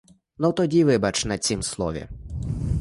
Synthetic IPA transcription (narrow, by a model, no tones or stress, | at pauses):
nɔt̪ɔdʲiʋɪbɐt͡ʃnɐt͡sʲimslˠɔ̰ʋʲḭ